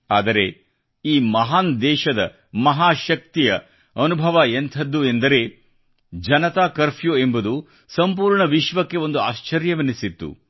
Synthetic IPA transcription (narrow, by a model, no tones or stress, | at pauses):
aːd̪ɐɾe̞ | iːmɐɦaːnd̪ɛːʃɐd̪ɐ̰ | mɐɦaːʃɐk̚t̪ijɐ | ɐnubʱɐʋɐent̪ʰɐd̪ːue̞nd̪ɐɾe̞ | d͡ʒɐnɐt̪aːkɐɾpʰjoembud̪u | sɐmpuːɾɳɐʋiʃʋɐkːe̞o̞nd̪uaːʃt͡ʃɐɾjɐʋɐnisit̪ːṵ